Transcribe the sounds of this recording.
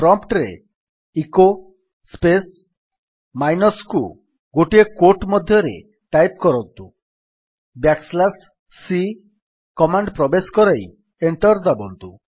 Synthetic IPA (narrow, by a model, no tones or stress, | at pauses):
pɾɔmpʈɾḛ | iko | spes | majnɔsku | ɡoʈiekoʈmɔd̪ʱjɔɾḛ | ʈajp̚kɔɾɔnt̪u | bjakslasː | i | kɔmaɳɖpɾɔbeskɔɾaj | eɳʈɔɾd̪abɔnt̪u